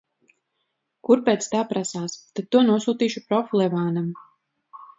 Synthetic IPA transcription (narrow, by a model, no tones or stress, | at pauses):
kuɾpet̪st̪aːpɾasaːst̪ad̪̚t̪ːuɔnuɔsuːt̪iːʃupɾɔflˠɛvaːnam